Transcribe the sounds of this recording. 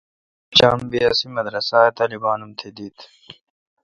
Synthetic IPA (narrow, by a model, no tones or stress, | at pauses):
t͡ɕa̰ːmbijasimɐd̪ɾɐsaːet̪aːlibaːnumt̪ʰed̪iːt̪ʰ